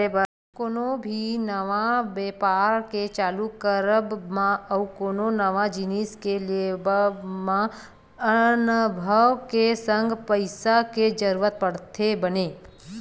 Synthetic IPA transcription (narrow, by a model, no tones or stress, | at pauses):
ebə | koːnobʱinəʋabeːpaːɾket͡ʃaːlukəɾəbmãɐwkoːnonəʋad͡ʒiniskeliebmã | ənbʱəʋkesəŋɡʱpəɪsaked͡ʒəɾuʋət̪̚pəɽt̪ʰebəneː